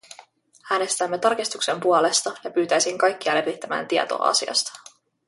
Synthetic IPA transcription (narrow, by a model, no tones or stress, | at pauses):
æːne̞st̪æmːe̞t̪ɑrkist̪ukse̞mpuole̞st̪ɑjɑpyːt̪æjsiŋkɑjkːiɑlepit̪ːæmæ̰ːnt̪iet̪o̞̰ːɑ̰sḭɑ̰st̪ɑ̥